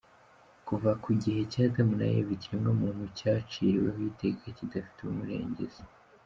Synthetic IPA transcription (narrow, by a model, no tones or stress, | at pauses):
kuvakuɟihe̞caːtamuna̰jḛβiciɾiŋɡomuːnhucaːt͡ʃiːɾweɦite̞kacidafi̥teumuɾe̞̰ːɲɟe̞̰z̥a